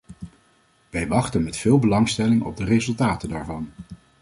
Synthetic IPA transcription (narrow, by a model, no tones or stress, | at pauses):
ʋɛjʋɑχtənmɛtfɪːlˠbəlɑŋstɛlɪŋɔ̰b̚dərezɵlˠtaːtəndaːɹvɑn